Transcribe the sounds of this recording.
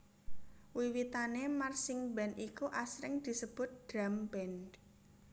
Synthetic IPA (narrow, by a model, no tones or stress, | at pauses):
wiwit̪anemarsɪŋbɛnikuʔasɾɪŋd̪̥i̤səb̥ʊt̪̚d̥ɾamb̥ɛn